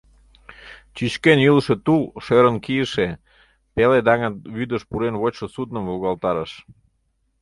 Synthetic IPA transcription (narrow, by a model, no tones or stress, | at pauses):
t͡ɕyt͡ɕkenjylʃĕt̪ulʃøɾənkijəʃe | peled̪ɑŋənβyd̪əʃpuɾenβot͡ɕʃə̆sud̪nə̆mvuɣɑlt̪ɑɾəʃ